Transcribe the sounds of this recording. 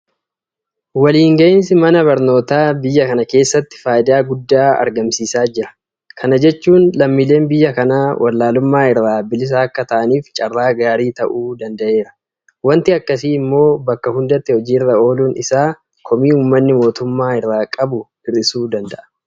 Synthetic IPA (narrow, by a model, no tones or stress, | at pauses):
wɐliːŋɡɐʔɪns̬ɪmɐnɐbɐɾno̞ːt̪aːbɪjːɐkɐnɐke̞ːsːɐt̪ːɪ̥faːjɪd̪aːɡʊd̪ːaːɐ̰ɾɡɐmsiːsaːd͡ʒɪɾɐ̥ | kʰɐnɐd͡ʒɛt͡ʃːuːnlɐmːiːle̞ːnbɪjːɐkɐnaːwʔɐ̰lːaːlʊmːaːɪrːaːbɪlɪs̬ɐːkːɐt̪ɐʔɐniːft͡ʃʼɐrːaːɡaːɾiːt̪ɐʔuːd̪ɐnd̪ɐʔe̞ːɾɐ̥ | wɐnt̪ɪɐkːɐs̬iːɪmːo̞ːbɐkːɐhʊnd̪ɐt̪ːɪhɔd͡ʒiːɪrːɐo̞ːluːnɪsaː | kʰɔmiːuːmːɐnːɪmo̞ːt̪ʊmːaːɪrːaːkʼɐbʊ | ɪrɪsuːd̪ɐnd̪ɐʔɐ̥